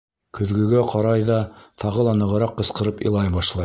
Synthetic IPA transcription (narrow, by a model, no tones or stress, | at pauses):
kɵ̆ðɡɵ̆ɡæqʰɑɾɑjðɑt̪ʰɑʁɤlˠɑnɤ̆ʁɤ̆ɾɑqːɤ̆sqɤ̆ɾɤpḭ̆lˠɑjbɑʃlˠɑj